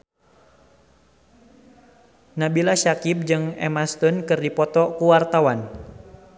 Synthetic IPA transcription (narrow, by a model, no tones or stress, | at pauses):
nabilaʃakip̚d͡ʒɨŋɛ̰mast̪ʊnkɨrdipɔt̪ɔkuwart̪awan